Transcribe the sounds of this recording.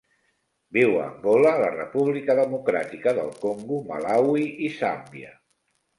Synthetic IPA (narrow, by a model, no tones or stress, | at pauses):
biwə̰mɡolələrə̰puβlikəðəmukɾa̰t̪ikəðə̰lˠkoŋɡuma̰lawiisambiə̰